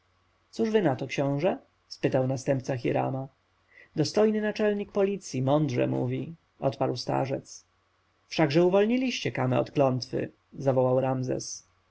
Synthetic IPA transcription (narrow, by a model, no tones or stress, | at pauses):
t̪suʐvɘnat̪ɔkɕɔ̃w̃ʐɛ | spɘt̪awnast̪ɛmp̚t̪saxʲiɾa̰ma | d̪ɔst̪ɔjnɘnat͡ʂɛlɲik̚pɔlʲit̪sʲjimɔnd̪ʐɛ̰mṵvʲi | ʔɔt̪paɾwst̪a̰ʐɛ̰t̪s | fʂaɡʐɛuvɔlɲilʲiɕt͡ɕɛkamɛ̰ɔ̰t̪klɔnt̪fɘ̰ | zavɔwawɾamzɛ̰s